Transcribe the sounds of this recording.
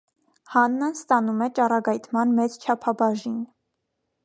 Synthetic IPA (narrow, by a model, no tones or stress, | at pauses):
hɑnːənst̪ɑnumɛt͡ʃɑrɑɡɑjt̪ʰmɑnmɛt͡st͡ʃʰɑpʰɑbɑʒin